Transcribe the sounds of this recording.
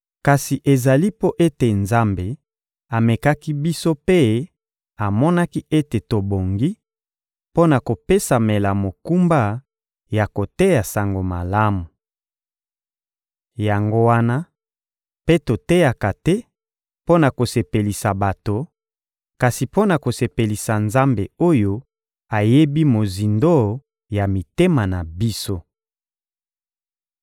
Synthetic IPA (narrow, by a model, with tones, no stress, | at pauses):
ka˨si˨ʔe˨za˨li˦po˦ʔe˦te˨nza˦mbe˨ | a˨me˨ka˦ki˦bi˦so˦pe˦ | a˨mɔ˦na˦ki˦ʔe˦te˨to˨bo˨ŋɡi˦ | po˦na˨ko˨pe˦sa˨me˨la˨mo˨ku˦mba˦ | ja˨ko˨te˦ja˨sa˨ŋɡo˨ma˨la˦mu˨ | ja˨ŋɡo˦wa˦na˦ | pe˦to˨te˦ja˨ka˨tɛ˦ | po˦na˨ko˨se˨pe˨li˨sa˨ba˨to˨ | ka˨si˨po˦na˨ko˨se˨pe˨li˨sa˨nza˦mbe˨o˦jo˦ | a˨je˦bi˦mo˨zi˨ndo˦ | ja˨mi˨te˦ma˨na˨bi˦so˦